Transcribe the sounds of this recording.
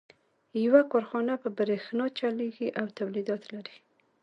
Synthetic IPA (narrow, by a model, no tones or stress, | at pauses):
jawakɑɾxɑnapəbɾexnɑt͡ʃaleɡiʔawt̪awlid̪ɑt̪laɾi